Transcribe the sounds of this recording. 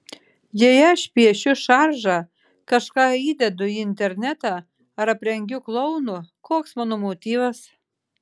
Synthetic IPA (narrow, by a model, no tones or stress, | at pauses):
jejɛʃʲpʲiɛʃuʃɑrʒɑ | kɑʃkɑid̪ʲɛd̪ʊinʲt̪ʲerʲnʲæt̪ɑ | ɐɾɐpʲɾʲɛŋɡʲuklˠownokoksmɑnomot̪ʲivəs